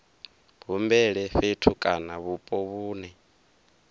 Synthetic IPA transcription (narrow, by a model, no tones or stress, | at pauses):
βumbɛɺɛɸetʰukʼanaβupʼɔβuːnɛ